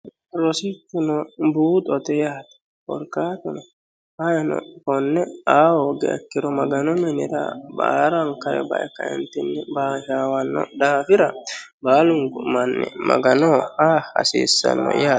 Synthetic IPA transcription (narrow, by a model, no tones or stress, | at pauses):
ɾɔsit̪ːɪnɔbuːt̪ʼɔt̪ɛjaːt̪ɐ̥ | wɔ̰ɾkaːt̪ʊnɔ | hɐjɐnɔ̰kɔnːɛaːwoɡɛ̰ːkːɪɾɔmɐɡɐnɔmɛnɪɾɐ̰ba̰ːɾɐŋkɐɾɛ̰bɐ̰ʔɛkːɐ̰ɛ̰nt̪ːɪnːɪbaːʃaːwɐnːɔ̰d̪aːfɪɾɐ | baːlʊŋɡʊmɐnːɛ̰mɐ̰ɡɐnɔhaːɐ̰sḭːsːɐ̰nːɔ̰jaː